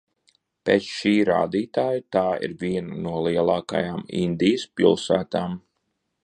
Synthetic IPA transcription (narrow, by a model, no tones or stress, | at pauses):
peːt̪sʃiːɾa̰ːd̪iːt̪aːjat̪aːḭɾviɛnanuɔlˠiɛlˠɑːka̰jaːmḭnd̪ʲijəspilˠsæːt̪aːm